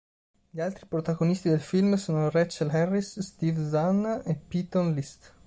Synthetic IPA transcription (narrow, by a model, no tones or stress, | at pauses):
ʎialt̪ɾipɾot̪aɡonist̪id̪elfilmsoːnorɛt͡ʃalhɛrːisːt̪ivzanepːit̪onlist̪